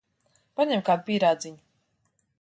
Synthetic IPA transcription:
paɲɛmkaːd̪upʲiːɾaːd̪ziɲu

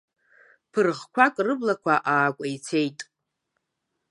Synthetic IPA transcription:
pʰɨrʁkʷʰakʷʼrɨblakʷʰaʔaːkʷʼajit͡sʰejtʼ

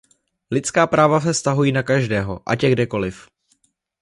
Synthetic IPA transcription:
lɪt͡skaːpɾʔaːvas̬ɛfst̪aɦujiːnakaʒdɛːɦo̞̰ʔa̰cɛɡdɛko̞lɪf

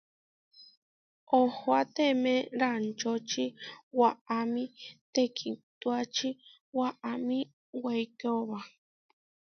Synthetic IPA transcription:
ohoat̪emẽɾant͡ʃot͡ʃiwaamĩt̪ekʰit̪uat͡ʃi | waʔamĩ | wejkeoβa

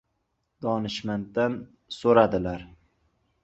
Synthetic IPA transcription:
d̪ɒnɪʃmant̪d̪an | soɾad̪ɪlaɾ

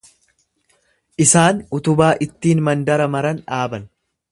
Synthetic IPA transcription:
ʔɪsaːnʊt̪ʊbaːʔɪt̪ːiːnmɐnd̪ɐɾɐmɐɾɐnᶑaːbɐn

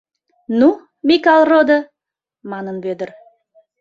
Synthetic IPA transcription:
nu | mʲikɑlˠrod̪ə | mɑnənbød̪əɾ

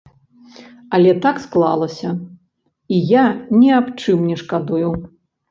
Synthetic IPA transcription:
ɐlʲɛt̪aksklˠa̰lˠɐsʲɐ | ijanʲɛapt͡ʂɨmnʲɛʂkad̪uju

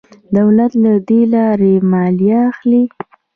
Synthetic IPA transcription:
d̪awlat̪lad̪elɑɾemɑljaːxli

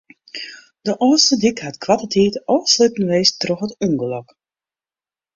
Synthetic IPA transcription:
d̥əʔɔːstədikhatkʰwatətʰiːtɔːsløtən̩ʋejstrɔxətuŋɡəlɔk

